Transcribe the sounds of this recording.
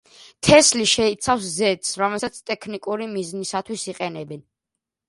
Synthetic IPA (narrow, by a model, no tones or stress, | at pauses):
t̪ʰɛsliʃɛit̪sʰafszɛt̪ʼsɾɔmɛlsat̪sʰt̪ʼɛkʰnikʼuɾimiznisat̪ʰwisiqʼɛnɛbɛn